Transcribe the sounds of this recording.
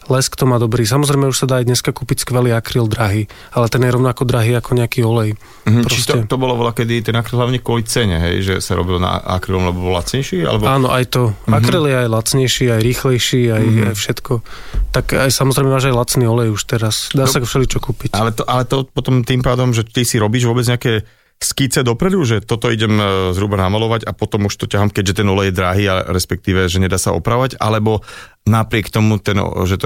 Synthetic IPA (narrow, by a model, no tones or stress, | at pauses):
lɛskt̪ɔmaːd̪ɔbɾiːs̬amɔzɾɛjmɛuʃsad̪aːjd̪ɲɛskakuːpicskʋɛliːakɾiːld̪ɾaɦiː | alɛt̪ɛnjɛɾɔʊnakɔd̪ɾaɦiːakɔɲɛakiːɔlɛj | ppɾɔscɛt̪ɔbɔlaʋɔlakɛd̪it̪ɛnakɾilˠɦlaʊɲɛkɔlit͡sɛɲɛ̰ɦɛ̰jʒɛ̰saɾɔ̰bilna̰a̰kɾilɔmlɛbɔbɔla̰t͡sɲɛjʃiːa̰lɛbɔaːnɔʔajt̪ɔakɾiljɛajlat͡sɲɛjʃiːajɾiːxlɛjʃiːaja̰jfʃɛt̪kɔt̪akajsamɔzɾɛjmɛmaːʒajlat͡sniːɔlɛjuʃt̪ɛɾasd̪aːakfʃɛlit͡ʃɔkuːpicalɛt̪ɔʔalɛt̪ɔpɔt̪ɔmt̪iːmpaːd̪ɔmʒɛt̪isiɾɔbiːʒʋʊɔbɛd͡zɲɛakɛː | skit͡sɛd̪ɔpɾɛd̪uʒɛt̪ɔt̪ɔiɟɛmzɦɾuːbanamalɔʋaɟapɔt̪ɔmuʃt̪ɔcaɦamkɛɟʒɛt̪ɛnɔlɛjɛd̪ɾaɦiːaɾɛspɛk̚t̪iːʋɛʒɛɲɛd̪aːsaɔ̰pɾaɔʋaɟa̰lɛbɔ | napɾɪɛkt̪ɔmut̪ɛnʒɛt̪ɔ